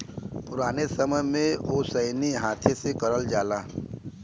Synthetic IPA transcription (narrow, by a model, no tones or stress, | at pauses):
pʊɾaːnesəməjmẽosəɪniɦaːt̪ʰẽsekɐɾəld͡ʒaːlaː